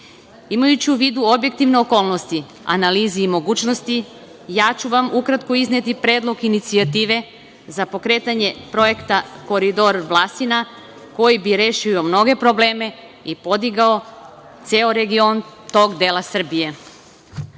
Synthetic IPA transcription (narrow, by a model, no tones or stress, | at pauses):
imajut͡ɕiuʋiːd̪uobje̞k̚t̪iʋneoko̞ːlˠno̞st̪i | a̰naliːziːmo̞ɡuːt͡ɕnost̪i | jaːt͡ɕuʋamukɾat̪koizne̞t̪ipɾe̞ːd̪lo̞ɡinit̪siat̪iːʋe̞ | zapo̞kɾe̞t̪aɲe̞pɾo̞je̞kt̪ako̞ɾid̪o̞ɾʋlˠast̪ina | ko̞jibiɾe̞ʃiomno̞ɡe̞pɾo̞ble̞ːme̞ | ipo̞d̪iɡao̞ | t̪seoɾe̞ɡio̞nt̪o̞ɡd̪eːlˠasr̩bije̞